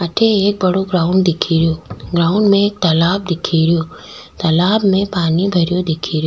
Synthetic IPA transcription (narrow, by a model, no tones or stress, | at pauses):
ɐʈʰeeːk̚bɐɽoɡɾaːʊ̃ɳɖd̪ɪkʰiɾjoːɡɾaːʊ̃ɳɖmẽeːk̚t̪ɐlaːb̚d̪ɪkʰiɾijoː | t̪ɐlaːbmẽpaːnibʱɐɾjod̪ɪkʰiɾjoː